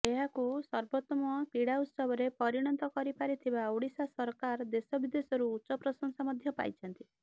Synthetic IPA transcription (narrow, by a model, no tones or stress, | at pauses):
eɦakusɔɾbot̪ːɔmɔkiɽaut̪sɔbɔɾepɔɾiɽ̃ɔnt̪ɔkɔɾipaɾit̪ʰibaoɽisasɔɾkaɾd̪esɔbid̪esɔɾuːtːt͡ʃɔpɾɔsɔŋsamɔd̪ʱjɔpa̰jt͡ʃʰɔnt̪i